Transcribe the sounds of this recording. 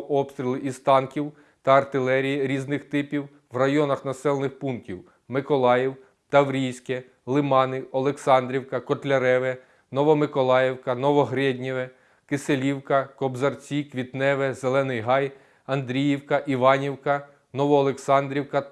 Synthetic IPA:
ʔɔpst̪ʲɾʲilˠɪʔist̪ɑnkʲiw | t̪ɐɐrt̪ɪlˠɛɾʲijiɾʲiznɪxt̪ɪpʲiw | ʋrɐjɔnɐxnɐsɛlˠnɪxpuntʲiw | mɪkɔlˠɑjiw | t̪ɐwɾʲijsʲkɛ | lˠɪmɑnɪɔlˠeksɑnd̪ʲɾʲiwkɐkɔt̪lʲɐɾɛʋɛ | nɔʋɔmɪkɔlˠɑjɛwkɐnɔʋɔɦɾɛd̪ʲnʲiʋɛ | kɪselʲiwkɐkɔbzɐrt͡sʲikʋʲit̪nɛʋɛzelˠɛnɪjɦɑj | ɐnd̪ɾʲijiwkɐʔiʋɑnʲiwkɐ | nɔʋɔːlˠeksɑnd̪ɾʲiwkɐ

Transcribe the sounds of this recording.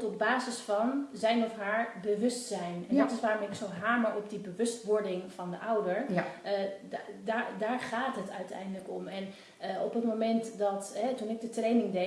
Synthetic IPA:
tɔb̚baːzəsfɑnzɛjnɔfɦaːɹbəʋɵstsɛjnɛndɔtɪsʋaːɾɔmɪksowɦaːməɹɔpdibəʋɵstʋɔɹdɪŋfɑndəʔʌwdəɹ | daːdaːɹχaːtɦətœɥtɛ̰jndələkɔmɛn | ɔpətmomɛntdɑtɦɛtunɪɡ̚dətrejnɪŋde

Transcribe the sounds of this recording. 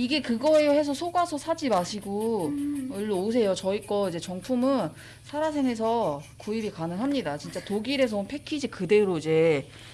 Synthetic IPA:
iɡe̞kɯɡʌehes̬ʰʌsʰoɡasʰʌsʰad͡ʑimaɕʰiɡo | oɭːoos̬ʰe̞jot͡ɕʌik͈ʌid͡ʑe̞t͡ɕʌŋpʰumɯn | sʰaɾas̬ʰeŋe̞s̬ʰʌkuibikanɯŋɦamɲidat͡ɕint͡ɕ͈atoɡiɾe̞s̬ʰʌnpʰe̞kʰid͡ʑikɯde̞ɾoid͡ʑe̞

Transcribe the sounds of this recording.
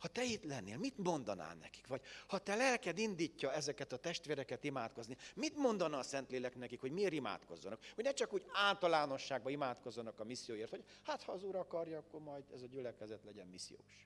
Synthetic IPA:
hɒt̪ɛit̪lɛnːeːlmit̪mo̞nd̪ɒna̰ːlnɛ̰ki̥kʋɒɟhɒt̪ɛlɛlkɛd̪ind̪iːcːɒɛzɛkɛt̪ɒt̪ɛʃt̪ʋeːɾɛkɛt̪imaːt̪̚ko̞znimit̪mo̞nd̪ɒnɒːsɛnt̪leːlɛknɛkikho̞ɟmieːɾima̰ːt̪ko̞̰zːɒ̰nɒkhoɟnɛt͡ʃɒkuːɟaːlt̪ɒlaːno̞ʃːaːɡ̚bɒimaːt̪ko̞zːɒnɒkɒmisːijoːjeːrt̪ho̞ɟ | haːt̪hɒːzuːɾɒkɒrjɒkːo̞rmɒjd̪ɛzɒɟylɛkɛzɛt̪lɛɟɛmmisːḭjo̰ːʃ

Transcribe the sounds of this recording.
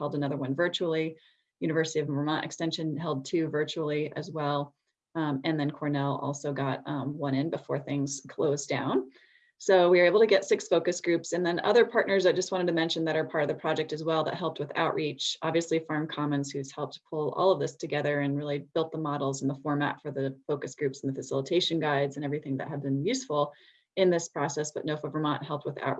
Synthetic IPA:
hɛlˠdənʌðə˞wʌ̃nvɜ˞t͡ʃul̩ˠi | jʉnɨvɜ˞sɨɾiʌvmə˞mɑ̃ʔɨ̰kstɛ̃nʃɨ̃nɦɛlˠd̚tʰʉvɜ˞t͡ʃul̩ˠiɨ̰zwɛlˠ | ɨ̃nðɨ̃nkʰɔɹnɛlˠɔ̰lˠsoʊɡɑt̚wʌ̃ɾ̃ɪ̃nbɨfɔɹθɪ̃ŋz̥kʰl̥oʊzdã̰ʊ̃n | soʊwiə˞eɪbl̩ˠtʰɨɡɛtsɪksfoʊkɨsɡ̥ɹʉpsɨ̃nðɨ̃nʌ̰ðə˞pʰɑɹtⁿnə˞zaɪdd͡ʒʌst̚wɑ̃ɾ̃ɨd̚tʰɨmɛ̃nʃɨ̃nðɨɾə˞pʰɑɹɾʌvðɨpʰɹ̥ɑd͡ʒɛk̚tɨzwɛlˠðə̰t̚ɦɛlˠp̚t̚wɨθa̰ʊʔɹit͡ʃʔɑbviɨslifɑɹmkʰɑmɨ̃nz̥hʉz̥hɛlˠp̚tʰpʰʊlˠɔ̰lˠʌvðɪstʰɨɡɛðə˞ɨ̃nɹɪlˠib̥ɪlˠt̪̚ðəmɑɾl̩ˠzn̩ðəfɔɹmæ̰tfə˞ðɨfoʊkɨsɡ̥ɹʉpsn̩ðɨfɨsɪ̰lˠətʰeɪʃɨ̃nɡaɪdzɨ̃nɛvɹiθɪ̃ŋðɨ̰ʔ̚ɦɨd̚bɨ̃njʉsfl̩ˠ | ɨ̃nðɪspʰɹ̥ɑsɛsb̥ʌʔⁿnoʊfɛvə˞mɑ̃nʔɦɛlˠp̚t̚wəθa̰ʊʔ

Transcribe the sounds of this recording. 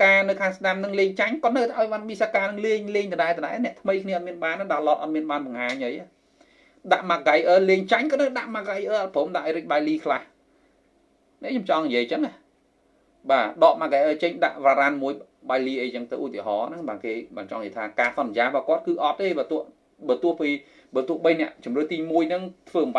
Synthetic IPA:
kaːnɨwkʰaːŋsnamnɨŋleːŋt͡ɕaɲkŏət̪nɨwt̪ʰaʔaɔjɓanmisakaːnɨŋliːɲleːɲt̪ɨɗaɛt̪ɨɗaɛnɛ̆əʔt̪ʰməjkʰniəɑːt̪miənɓaːnːaɗalɑːt̪̚ʔɑt̪̚miənɓaːnɓɑŋhaːɲʔəja | ɗaʔmaɡajʔəːleːɲt͡ɕaɲkotnəwɗaʔmaɡajʔəːʔɑt̪̚pʰoːmɗaʔaɔːjɾɨc̚ɓajliːkʰlah | nɛ̆ʔɲomt͡ɕɑŋnijiəjt͡ɕəŋah | ɓaːɗɑːʔmaɡajʔəːt͡ɕəɲɗa̰ʔʋaːɾanmuəj | ɓajliːʔəjt͡ɕəŋt̪ɨ̰wʔṵt̪iəɦɑːnɨŋɓaːkeːɓaːnt͡ɕɑ̰ŋjiət̪ʰaːkaːsɑnːjaːɓɔːkŏət̪̚kɨːʔɑt̪̚ːeːɓaːt̪uəh | ɓəːt̪ŭəhpiː | ɓəːt̪uəhɓəjnɛ̆əʔt͡ɕumrɨəht̪iːmuəjnɨŋt̪ʰʋəːmɓa

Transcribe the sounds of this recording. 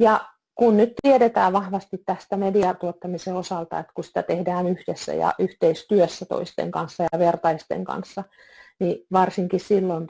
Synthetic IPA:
jɑ | kunnyt̪t̪ieɾet̪æːʋʋɑhʋɑst̪it̪tæst̪æmediɑt̪uot̪ːɑmiseosɑlt̪ɑ̰et̪kusi̥t̪æt̪ehdæːnyhd̥esːæ̰jɑ̰ʔyht̪eist̪yøsːæt̪o̰ist̪ḛŋkɑnsːɑjɑʋert̪ɑist̪ḛŋkɑ̰nsːɑ | niʋɑrsiŋkissilːont

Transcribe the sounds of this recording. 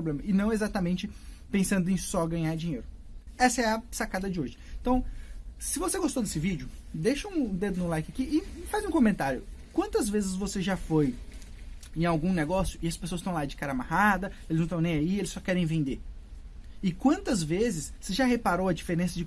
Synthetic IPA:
ɾoblẽmɐɪnɐ̃w̃ezat̪ɐmẽnt͡ʃɪ | pẽsɐ̃nd̪ʊẽj̃sɔɡɐ̃ɲaɾd͡ʒĩɲejɾʊ | ɛsɐɛɐsakad̪ɐd͡ʒɪoʒɪ̃t̪ɐ̃w̃sɪvoseɡost̪od̪esɪvid͡ʒʊd̪eʃɐũd̪ed̪ʊnũlajkɪakiʔɪfazũkomẽnt̪aɾjʊkwɐ̃nt̪ɐzvezɪzvoseʒafoj | ẽj̃awɡũneɡɔsjʊʔɪɐspesoɐst̪ɐ̃w̃lad͡ʒɪkaɾɐamahad̪ɐelɪznɐ̃t̪ɐ̃ẽj̃aielɪsɔkɛɾẽj̃vẽnd̪e | ɪkwɐ̃nt̪ɐzvezɪsoseʒaɦepaɾowɐd͡ʒifeɾẽsɐd͡ʒɪ

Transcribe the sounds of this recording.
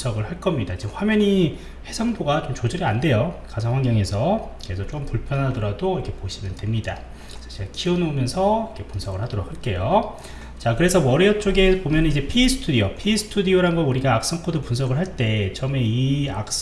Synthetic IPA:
sʰʌɡɯɭhaɭk͈ʌmɲidaid͡ʑehwamjʌɲi | he̞sʰaŋboɡat͡ɕomt͡ɕod͡ʑʌɾiande̞jokasʰawaŋɡjʌŋe̞sʰʌkɯɾe̞sʰʌt͡ɕ͈ok͈ɯmpuɭpʰjʌnɦadʌɾadoikʰe̞poɕʰimjʌnde̞mɲida | sʰaɕʰiɭkiʌnomjʌnsʰʌikʰe̞punsʰʌɡɯɭhadoɾok̚ʰaɭk͈e̞jo | t͡ɕakɯɾe̞sʰʌwʌɾiʌt͡ɕ͈oɡe̞pomjʌnɯnid͡ʑe̞pʰiːsʰɯ̥tʰudiopʰisʰɯ̥tʰudioɾanɡʌnuɾiɡaːk̚s͈ʌŋkʰodopuns̬ʰʌɡɯɭɦaɭt͈e̞t͡ɕʌme̞iak̚s͈

